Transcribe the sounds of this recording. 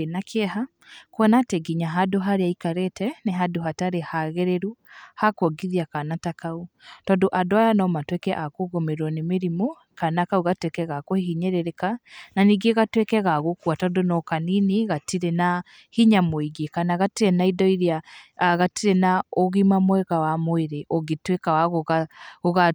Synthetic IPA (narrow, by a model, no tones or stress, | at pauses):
enakʰɛɦa | koɔnatɛɡiɲaɦadoɦaɾeaikaɾetɛneɦadoɦataɾehaɣɛɾeɾuhakwɔɡiðiakanatakautɔndoʔadoajanɔmatwekɛʔakoɣomeɾwɔnemeɾimo | kanakauɣatwekɛɣakohiɦiɲɛɾeɾekananiɡeɣatwekɛɣaɣokuatɔndonɔkanineɣatiɾena | hiɲamoiɡekanaɣatiɾɛnaidɔiɾiaɣatiɾenaoɣimamwɛɣawamoeɾeʔoɣetwekawaɣoɣaoɣa